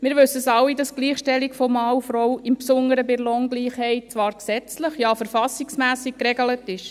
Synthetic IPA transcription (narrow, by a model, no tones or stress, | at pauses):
mɪːɾʋɵsːəsɑwidɑsɡ̥liːχʃtɛliɡfɔmɑːufɾɔwɪmpsʊŋəɾəbɪɾlɔŋɡliːχhɛɪt̚t͡sʋɑːɾksɛt͡sləχjɑːfəɾfɑsiksmæːsik̚kːɾɛɡələtɪʃ